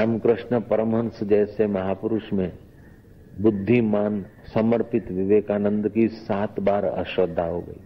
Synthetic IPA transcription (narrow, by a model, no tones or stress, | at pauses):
aːmkɾɪʃɳəpəɾəmɦə̃nsd͡ʒɛːsemɐɦaːpʊɾʊʃmẽ | bʊd̪ʱːimaːn | səməɾpɪt̪ʋɪʋeːkaːnə̃nd̪kisaːt̪baːɾɐ̰ʃʋəd̪ʱːaɦoɡə̰ḭː